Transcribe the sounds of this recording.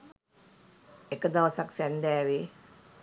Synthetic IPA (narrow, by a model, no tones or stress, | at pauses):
ekəd̪awasaksɛnd̪ɛwi